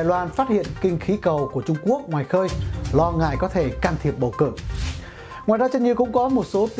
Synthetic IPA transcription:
jlwaː˧nfaː˦˥t̚hḭ˧˨ənkï˧ŋ̟xi˨˦kə˨˩wku˧˩ət͡ɕʊ˧ŋ͡mku˦˥ək̚ŋwaː˨˩jxəː˧jlɔ˧ŋa̰ː˧˨jkɔ˨˦t̪ʰe˧˩kaː˧nt̪ʰi˨˩əp̚ɓə˨˩wkɨ̰˧˩ | ŋwaː˨jzaː˧t͡ɕə˧nɲɨ˧kʊ̰˧˥ŋ͡mkɔ˨˦mo˨˩t̚so˨˦t̪

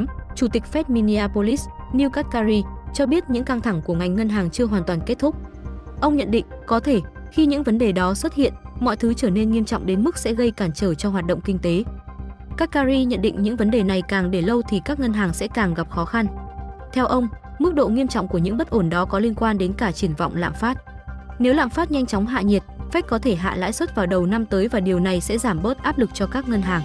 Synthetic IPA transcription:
t͡ɕu˧˩t̪ï˨˩k̟̚fɛ˦˥t̚mi˧ni˧aː˧po˧li˦˥sni˧wkaː˦˥t̚kaː˧ɾi˧t͡ɕɔ˧ɓi˦˥ət̚ɲɨ̰˧˥ŋka˧ŋt̪ʰa˧˩ŋku˧˩əŋa˨˩jŋ̟ŋə˧nɦaː˨˩ŋt͡ɕɨ˧əɦwaː˨˩nt̪waː˨˩nke˦˥t̚t̪ʰʊ˦˥k͡p̚ | ʔə˧wŋ͡mɲə̰˧˨nɗḭ̈˧˨ŋ̟kɔ˨˦t̪ʰe˧˩ | xi˧ɲɨ̰˧˥ŋvə˨˦nɗe˨˩ɗɔ˨˦swə˦˥t̚hḭ˧˨ənmɔ̰˧˨jt̪ʰɨ˨˦t͡ɕəː˧˩ne˧nŋi˧əmt͡ɕɔ̰˧˨ŋ͡mɗe˨˦nmɨ˦˥k̚sɛ̰˧˥ɣə˧jkaː˧˩nt͡ɕəː˧˩t͡ɕɔ˧ɦwaː˨˩t̚ɗə̰˧˨wŋ͡mkï˧ŋ̟t̪e˨˦ | kaː˦˥kːaː˧zi˧ɲə̰˧˨nɗḭ˧˨ŋ̟ɲɨ̰˧˥ŋvə˨˦nɗe˨˩na˨˩jkaː˨˩ŋɗe˧˩lə˧wt̪ʰi˨˩kaː˦˥k̚ŋə˧nɦaː˨˩ŋsɛ̰˧˥kaː˨˩ŋɣa˨˩p̚xɔ˨˦xa˧nt̪ʰɛ˧wʔə˧wŋ͡m | mɨ˦˥k̚ɗo̰˧˨ŋi˧əmt͡ɕɔ̰˧˨wŋ͡mku˧˩əɲɨ̰˧˥ŋɓə˦˥t̚ʔo˧˩nɗɔ˨˦kɔ˨˦li˧ənkwaː˧nɗe˨˦nkaː˧˩t͡ɕi˧˩ənvɔ̰˧˨wŋ͡mla̰ː˧˨mfaː˦˥t̚ | ne˨˦wla̰ː˧˨faː˦˥t̚ɲa˧jŋ̟t͡ɕɔ˨˦wŋ͡mɦa̰ː˧˨ɲi˨˩ət̚fa˦˥k̚kɔ˨˦t̪ʰe˧˩ɦa̰ː˧˨la̰ː˧˥jswə˦˥t̚vaː˨˩wɗə˨˩wna˧mt̪əː˨˦jvaː˨˩ɗi˨˩əwna˨˩jsɛ̰˧˥zaː˧˩mɓə˦˥t̚ʔaː˦˥p̚lɨ˨˩k̚t͡ɕɔ˧kaː˦˥k̚ŋə˧nɦaː˨˩ŋ

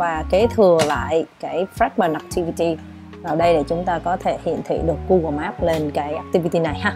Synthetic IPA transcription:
vaː˨˩ke˨˦t̪ʰɨ˨˩əla̰ː˧˨jkaː˨˦jfɾɛ˦˥k̚ɓəː˨˩na˨˩k̚t̪ʰi˧vi˧t̪i˧ | vaː˨˩wɗə˧jɗe˧˩t͡ɕʊ˨˦ŋ͡mt̪aː˧kɔ˨˦t̪ʰe˧˩hḭ˧˨ənt̪ʰḭ˧˨ɗɨ˨˩əkːu˧ɣaː˨˩maː˦˥p̚le˧nkaː˨˦jʔaː˦˥k̚t̪i˧vi˧t̪i˧na˨˩jhaː˧

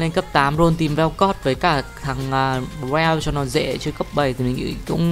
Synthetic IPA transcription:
le˧nkə˦˥p̚t̪aː˨˦mzo˧nt̪i˨˩mvɛ˧wkɔ˦˥t̚vəː˨˦jkaː˧˩t̪ʰa˨˩ŋʔəː˨˩zɛ˧wt͡ɕɔ˧nɔ˨˦zḛ˧˥t͡ɕɨ˧əkə˦˥p̚ɓə˨˩jt̪ʰi˨˩mï˨˩ŋ̟ʔɨ̰˧˩kʊ̰˧˥ŋ͡m

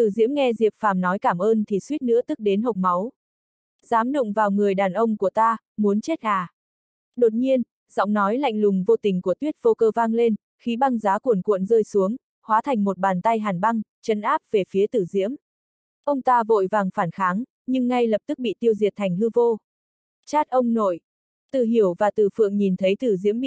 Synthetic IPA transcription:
t̪ɨ˧˨˩zḭ˧˥əmŋɛ˧zi˨˩əp̚faː˨˩mnɔ˨˦jkaː˧˩mʔəː˧nt̪ʰi˨˩swi˦˥t̚nɨ̰˧˥ət̪ɨ˦˥k̚ɗe˨˦nɦə˨˩wk͡p̚ma˨˦w | z̥aː˨˦mɗʊ̰˧˨ŋ͡mvaː˨˩wŋɨ˨˩əjɗaː˨˩nʔə˧wŋ͡mku˧˩ət̪aː˧ | mu˨˦ənt͡ɕe˦˥t̚haː˨˩ | ɗo˨˩t̚ɲi˧ən | z̥ɔ̰˧˥wŋ͡mnɔ˨˦jla̰˧˨jŋ̟lʊ˨˩ŋ͡mvo˧t̪ï˨˩ŋ̟ku˧˩ət̪wi˦˥ət̚vo˧kəː˧vaː˧ŋle˧n | xi˨˦ɓa˧ŋzaː˨˦ku˧˩ənkwṵ˧˨ənzəː˧jsu˨˦əŋ | hwaː˨˦t̪ʰa˨˩jŋ̟mo˨˩t̚ɓaː˨˩nt̪a˧jɦaː˨˩nɓa˧ŋt͡ɕə˨˦nʔaː˦˥p̚ve˨˩fi˨˦ət̪ɨ˧˩zḭ˧˥əm | ʔə˧wŋ͡mt̪aː˧vo̰˧˨jvaː˨˩ŋfaː˧˩nxaː˨˦ŋ | ɲɨ˧ŋːa˧jlə˨˩p̚t̪ɨ˦˥k̚ɓḭ˧˨t̪i˧əwzi˨˩ət̚t̪ʰa˨˩jŋ̟ɦɨ˧vo˧ | t͡ɕaː˦˥t̚ʔə˧wŋ͡mno̰˧˨j | t̪ɨ̰˧˨ɦi˧˩əwvaː˨˩t̪ɨ˨˩fɨ̰˧˨əŋɲi˨˩nt̪ʰə˨˦jt̪ɨ˧˩zḭ˧˥əmɓi˧˨

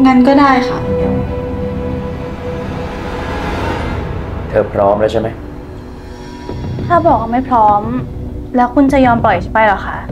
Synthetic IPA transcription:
ŋa˦˥nkɔː˥˩daː˥˩jxʰa̰˥˩ | t̪ʰɤː˨˩pʰɾɔː˦˥mdaː˦˥˩t͡ɕʰa˥˩ma˦˥j | t̪ʰaː˥˩bɔː˨˩k̚ːa˥˩ma˥˩jpʰɾɔː˦˥mlɛː˦˥wkʰu˧nt͡ɕa˨˩jɔː˧mpɔ˨˩jt͡ɕʰi˥˩pa˨˩jlaː˨˩kʰa˥˩ʔ

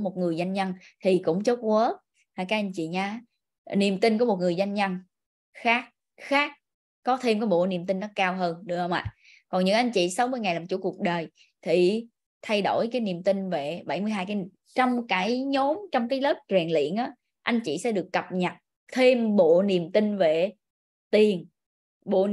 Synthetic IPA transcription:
mo˨˩t̚ŋɨ˨˩əjza˧jŋɲə˧nt̪ʰi˨˩kʊ̰˧˥ŋ͡mt͡ɕo˦˥t̚kwəː˨˦ | aː˧˩kaː˨˦˥jʔa˧jŋ̟t͡ɕḭ˧˨ɲaː˧ | ni˨˩əmt̪i˧nk̬mo˨˩t̚ŋɨ˨˩əjza˧jŋɲə˧n | xaː˦˥k̚ | xaː˦˥k̚ | kɔ˨˦t̪ʰe˧mkaː˨˦ɓo̰˧˨ni˨˩mt̪ï˧nːɔ˨˦kaː˧wɦəː˧nɗɨ˨˩əhə˧wŋ͡mʔa̰ː˧˨ | kɔ˨˩nɲɨ̰˧˥ŋʔa˧jŋ̟t͡ɕḭ˧˨sa˨˦wmɨ˧əjŋa˨˩jlaː˨˩mt͡ɕṵ˧˥˦ku˨˩ək̚ɗəː˨˩j | t̪ʰi˨˩ | t̪ʰa˧jɗo˧˩jkaː˨˦jni˨˩əmt̪ï˧ŋve˨˩ɓa˧˩jmɨ˧jɦaː˧jkaː˨˦ | t͡ɕɔ˧wŋ͡mkaː˧˩˦jɲo˨˦mt͡ɕɔ˧wŋ͡mkaː˨˦jlə˦˥p̚t͡ɕwɛː˨˩nlḭ˧˨ənʔaː˨˦ | ʔa˧jŋ̟t͡ɕḭ˧˨sɛ̰˧˥ɗɨ˨˩əkːə˨˩p̚ɲə˨˩t̚ | t̪ʰe˧mɓo̰˧˨ni˨˩əmt̪ï˧ŋve˨˩ | t̪i˨˩ən | ɓo̰˧˨

